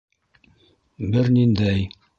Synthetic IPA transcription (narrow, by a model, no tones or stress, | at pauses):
bɘɾnind̪æj